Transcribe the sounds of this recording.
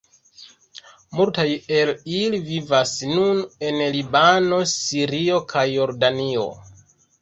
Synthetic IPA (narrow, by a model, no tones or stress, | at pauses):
multaje̞lilivivasnune̞nlibano̞siɾio̞kʰajːo̞ɾdanio̞̰